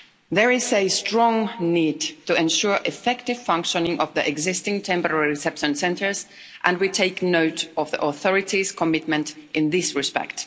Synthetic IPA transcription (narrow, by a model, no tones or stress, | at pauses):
ðə˞ɪzestɹ̥ɔ̃ŋniːdtɨɛ̃nʃuɹʔɪfɛktɨv̥fʌ̃ŋkʃə̃nɪ̃ŋʔɔvðiʔɛɡzɪstɪ̃ŋtʰɛ̃mpə˞ɛɹiɹɪsɛpʃə̃nsɛ̃ntə˞z | ʔə̃nwitʰeɪknoʊtɔvðiʔɔθɔɹɪtiz̥kʰəmɪt̚mɨ̃ntʔɪ̃nðɪsɹɨspɛ̰kt